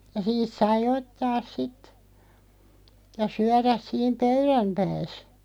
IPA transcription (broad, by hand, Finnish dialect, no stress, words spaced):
jɑ siːt sɑi otːɑːs sit jɑ syæræs siːm pøyræmpæːs